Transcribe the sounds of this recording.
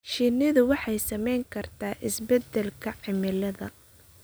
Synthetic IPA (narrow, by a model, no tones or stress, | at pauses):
ʃinɪðʊwɑħɑjsɐmɛjŋkʰɐrt̪ʰaːʔɪsbɛd̪ɛlkʰɐʕɪmɪlɐðɐ̰